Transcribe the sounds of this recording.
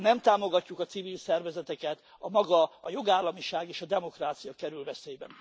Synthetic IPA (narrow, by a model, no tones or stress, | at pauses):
nɛmt̪aːmo̞ɡɒcːukɒt̪sivilsɛrvɛzɛt̪ɛkɛt̪ | ɒmɒɡɒɒjo̞ɡaːlːɒmiʃaːɡeːʃɒd̪ɛmo̞kraːt̪sijɒkɛɾylvɛseːjbɛ̰n